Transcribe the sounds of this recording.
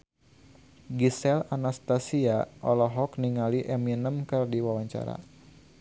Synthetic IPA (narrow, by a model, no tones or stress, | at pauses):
ɡisɛlanast̪asiaʔɔlɔɦɔkniŋaliʔɛminəmkɨrdiwawaɲt͡ʃa̰ɾa̰